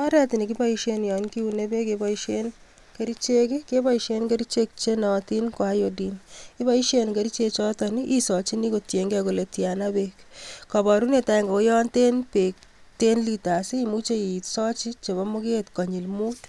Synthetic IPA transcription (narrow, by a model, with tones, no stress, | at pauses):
a˦ɾɛ˦ti˨ni˨ki˦bɔiʃenjɔ˨nki˦une˦be˦kebɔiʃen | ke˦ɾi˦t͡ʃe˦kike˦bɔ˦iʃe˦nke˦ɾi˦t͡ʃek̚t͡ʃe˦nɔti˦nko˨a˦jodini˦bɔ˦i˦ʃenke˦ɾi˦t͡ʃe˧t͡ʃɔ˦tɔniʔisɔt͡ʃi˦ni˦ko˨tje˨ŋɡako˨le˨tjanabekkɔbɔ˨ɾu˦ne˨ta˦i˨ŋɡo˨ko˦jɔ˦nte˦npek̚ | te˦nlita˨si˦i˨mut͡ʃe˦itsɔ˦t͡ʃi˦t͡ʃe˨bɔ˦mo˦ke˦tkɔ˨ɲi˨lmut